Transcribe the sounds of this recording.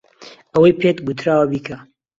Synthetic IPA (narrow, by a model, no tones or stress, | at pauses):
ɐwɐjpʰet̪ɡut̪ʰɾaːwɐbiːkʰɐ